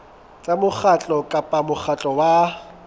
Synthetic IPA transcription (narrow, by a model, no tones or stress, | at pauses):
t͡sʼamʊk͡xat͡ɬʼɔkʼapʼamʊχʰat͡ɬʼɔwa